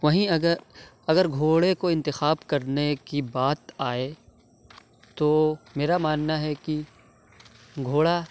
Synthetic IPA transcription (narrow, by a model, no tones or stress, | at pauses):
ʋɐɦĩɐɡəɾ | ɐɡəɾɡʱoːɽekoɪ̃nt̪ɪxaːbkɐɾnekibaːt̪aːe | t̪omeːɾamaːnːaɦɛki | ɡʱoːɽa